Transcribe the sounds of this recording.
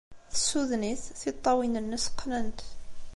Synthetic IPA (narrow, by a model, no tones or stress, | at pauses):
θəsuðniθθit̪ˤːɑwinənːəsqːnənt̪